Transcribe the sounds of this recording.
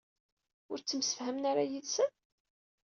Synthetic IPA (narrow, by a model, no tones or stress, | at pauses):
ʊɾt͡sːəmsə̥fhæmnaɾajiðsən